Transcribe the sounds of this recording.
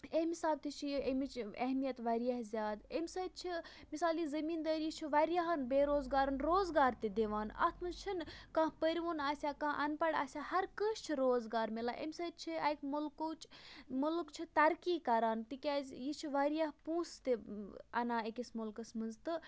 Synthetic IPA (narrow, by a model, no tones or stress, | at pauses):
ehmʲisaːb̚t̪it͡ʃʰijemit͡ʃɐ̰ɦmijɐt̪ʋɐɾijaɦzʲjaːd̪emʲsɐt̪̚t͡ʃʰi | misaːlizɐmiːnd̪ɐːɾjit͡ʃʰiʋaɾijaɦɐnbeːɾoːzɡaːɾɐnɾoːzɡaːɾt̪id̪eʋaːnɐ̰t̪ʰmɐzt͡ʃʰinkɐ̃ɦpəɾʲiʋoːnaːsʲjaːkɐ̃ɦʔɐnpɐɽa̰ːsʲjaːhɐɾkəʃt͡ʃʰiɾoːzɡaːɾmelaːʔḛmʲsɐt̪̚t͡ʃʰiɐjkmulkoːt͡ʃmulkt͡ʃʰit̪ɐɾkiːkɐɾaːnt̪ikʲazʲjit͡ʃʰiʋaɾijaɦpũːst̪iɐ̰naːekʲismulkɐsmɐnzt̪ɨ